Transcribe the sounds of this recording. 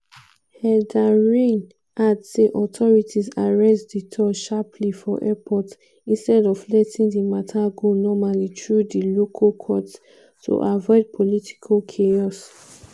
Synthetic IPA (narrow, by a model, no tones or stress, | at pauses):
hɛdaɹẽn | adseʔɔtʰɔɹitʰizaɹɛstditʰɔʃapʰlifɔʔɛpʰɔts | ĩnstɛdɔflɛtʰĩŋdimatʰaɡonɔmalitʰɹudilokʰokʰɔts | tʰṵʔavɔɪd̚pʰolitʰi̥kʰalkʰeɔs